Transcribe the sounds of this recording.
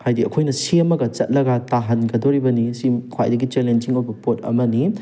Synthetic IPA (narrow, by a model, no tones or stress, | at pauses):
hajdiɐkʰojnɐsiɐmɐɡɐt͡ʃɐt̚lɐɡataɦɐnɡɐdɔɾibɐnisimkʰwa̰jdɐɡit͡ʃelend͡ʒiŋojbɐpotɐ̰mɐni